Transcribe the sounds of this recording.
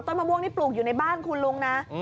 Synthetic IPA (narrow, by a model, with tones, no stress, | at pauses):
t̪ɔ˥˩maː˧bu˥˩ŋt̪ʰiː˦˥˩pluː˨˩k̚ju˨˩na˧jbaː˥˩nkʰu˧nlu˧˥ŋna˦˥